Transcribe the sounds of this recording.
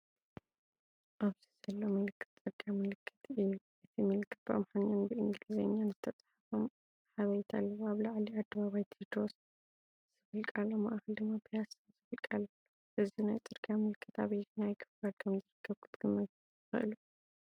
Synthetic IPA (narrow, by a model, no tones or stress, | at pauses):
ʔaβzizɐlːomɨlɨkʰːɨ̥t̪t͡sʼɨɡʼamɨlɨkʰːɨ̥t̪ɨjːuʔɨt̪ʰimɨlɨkʰːɨt̪̚ba̰mħananbɨʔɨŋɡɨlizenːanzɨt̪ʰɐt͡sʼḁħafom | ħaβɐjt̪ʰalːɐwuaβlaʕliad̪ːɐβaβajt̪ʰid̪ɾos | z̥ɨfɨlkʼalːoma̰ʔxɐld̪ɨmːapʰijas | zɨfɨlkʼalːɐ | ʔɨziunajt͡s̪ʼɨɾɡʼamɨlkʰːɨt̪ʰaβjɛt̪najkʰɨ̥fɡad̪̚kʰɐmzɨɾɨkʰːɐβkʰɨt̪ʼɡɨmːɐt̪ | ɨxɨ̰ʔɨlu